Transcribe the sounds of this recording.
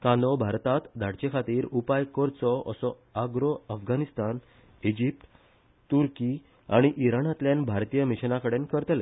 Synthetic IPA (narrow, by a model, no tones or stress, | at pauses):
kãnd̪ɔbʱaɾt̪at̪d̪ʱaɽt͡ɕekʰat̪iːɾupajkɔɾt͡sɔə̰sɔ | aɡɾɔəfɡanist̪an | id͡ʑip̚ʈ | t̪uɾki | aɽ̃iʔiɾanat̪ljãnbʱaɾt̪ijəmiɕnãkəɽenkəɾt̪le